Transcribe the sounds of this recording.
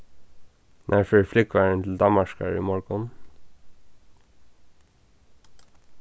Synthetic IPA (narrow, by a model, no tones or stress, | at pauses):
nʔæːɹføːflʏkʋæːɹəɳt̪ʰl̩d̪ɑməʃkɑ̰ɹḭmɔɹɡɔn